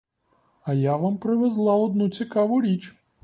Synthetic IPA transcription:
ɐjaʋampɾɪʋezlˠɑɔd̪nut͡sʲikɑʋʊɾʲit͡ʃ

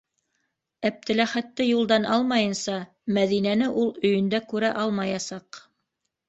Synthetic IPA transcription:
æp̚t̪ɘ̆læχæt̪ːɘjulˠd̪ɑnʔɑlˠmɑjɤ̆nsɑ | mæðinænɘʔulˠɵ̆jɵ̆nd̪ækʉɾæʔɑlˠmɑjɑsɑq

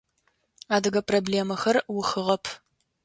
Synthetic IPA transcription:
aːdɐɣɐprobleːmɐxɐrwʊxɨʁɐpʰ

